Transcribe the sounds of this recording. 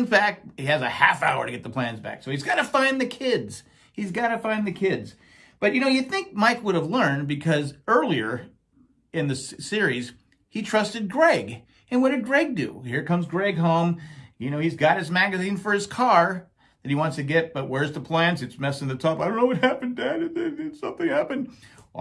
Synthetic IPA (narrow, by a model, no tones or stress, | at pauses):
ɨ̃nfæk̚t̚hiɨzɨhæ̰fa̰ʊə̰˞ɾɨɡɛt̪̚ðəpʰl̥æ̃nzbæ̰ksoʊizɡɑɾɨfãɪ̃nðɨkʰɪdz̥ | hizɡɑɾɨfãɪ̃nðɨkʰɪdz̥ | b̥ʌt͡ʃjɨnoʊjɨθɪ̃ŋk̚maɪkwʊɾəvlɜ̃˞nbɨkʰʌzɜ˞lˠiə̰˞ | ɨ̃nðɨssɪɹiz̥ | hitʰɹ̥ʌstɨd̚ɡɹeɪɡ | ɨ̃nwʌdɨd̚ɡɹeɪɡ̚dɨ̰hiɹkʰʌ̃mzɡɹeɪɡɦõʊ̃mjɨñoʊizɡɑt̚hɨzmæɡɨzĩnfə˞ɨz̥kʰɑɹ | ðɨt̚iwɑ̃ntstʰɨɡɛt̚b̥ʌt̚wə˞zðəpʰl̥æ̃nsɨtsmɛsɪ̃ŋðɨtʰɑpaɪɾõʊ̃noʊwʌt̚hæpɨ̃ndædɨðeðɪsʌ̃mθɪ̃ŋhæpɨ̃nd̥